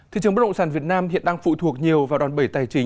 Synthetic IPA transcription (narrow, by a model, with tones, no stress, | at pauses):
t̪ʰḭ˨˧˨t͡ɕɨ˨˩ŋɓ̚ɗə̰˧˨saː˧˩nvi˨˩ət̚naː˧mhḭ˧˨ənɗaː˧ŋfṵ˧˨t̪ʰu˨˩ək̚ɲi˨˩əwvaː˨˩ɗwaː˨˩nɓə˧˩jt̪aː˨˩jt͡ɕï˨˩˦ŋ